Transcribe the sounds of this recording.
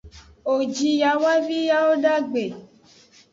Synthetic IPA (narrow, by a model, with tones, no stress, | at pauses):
o˨d͡ʒi˧ja˧˦wa˦vi˦ja˦o˦da˦˨ɡ͡be˨